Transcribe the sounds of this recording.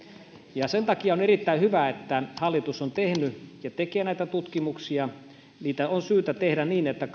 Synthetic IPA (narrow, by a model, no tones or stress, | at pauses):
jɑsent̪ɑkiɑonerit̪ːæihyʋæet̪ːæhɑlːit̪usont̪ehnyjɑt̪ekeːnæit̪æt̪ut̪kimuksiɑ | niːt̪æonsyːt̪æt̪ehdænniːnet̪ːæk